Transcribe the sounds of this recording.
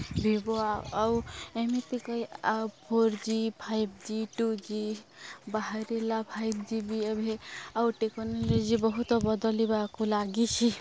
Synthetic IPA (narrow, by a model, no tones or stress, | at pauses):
bʱiboaawemit̪ikəjapoɾd͡ʒipʰajbd͡ʒiʈud͡ʒi | baɦaɾelapʰajbd͡ʒibiebʱeawʈeknolod͡ʒibɔɦut̪ɔbɔd̪ɔlibakulaɡit͡ʃʰi